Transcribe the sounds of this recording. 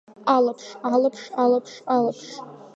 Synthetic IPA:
alapʰʂalɨpʰʂalapʰʂalapʰʂ

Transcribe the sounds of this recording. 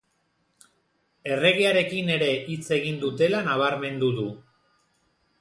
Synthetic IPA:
e̞re̞ɣiaɾe̞kine̞ɾe̞ʔit͡se̞ɣ̞ind̪ut̪e̞lanaβ̞aɾme̞nd̪uðu

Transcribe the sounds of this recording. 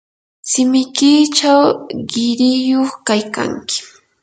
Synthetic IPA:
sɪmɪkiːt͡ʃawɢɪɾɪjoχkajka̰ŋkɪ̥

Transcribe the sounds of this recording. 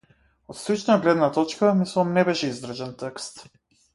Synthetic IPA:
ɔt̪slit͡ʃnaaɡlɛd̪nat̪ɔt͡ʃkamislˠamnɛbɛʃɛizd̪r̩ʒɛnt̪ɛkst̪

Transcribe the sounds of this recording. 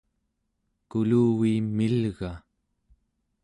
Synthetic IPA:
kuluːwimilɣa

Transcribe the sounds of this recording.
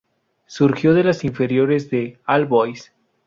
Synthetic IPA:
suɾxjo̞ðe̞lasiɱfe̞ɾjo̞ɾezðealbojs

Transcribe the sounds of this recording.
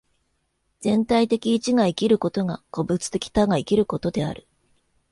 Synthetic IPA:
d͡z̥ẽ̞nt̪ait̪e̞kʲiːt͡ɕiɡaikʲiɾɯ̟ko̞t̪o̞ŋako̞bɯ̟t͡sɨ̥t̪e̞kʲi̥t̪aɡaikʲiɾɯ̟ko̞t̪o̞d̪e̞a̰ɾɯ̟

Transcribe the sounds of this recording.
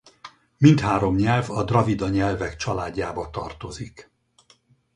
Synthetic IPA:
mint̪haːɾo̞mɲɛlvɒd̪rɒvid̪ɒɲɛlvɛkt͡ʃɒlaːɟːaːbɒt̪ɒ̰rt̪o̞zik

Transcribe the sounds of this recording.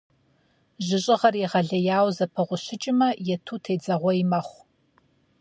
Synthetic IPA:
ʑɪɕʼɪʁɐrjiʁɐɮɐjaːwzɐpʰɐʁʷʊɕɪt͡ʃʼɪmɐjɛtʰuːtʰeːd͡zɐʁʷɔimɐχʷ

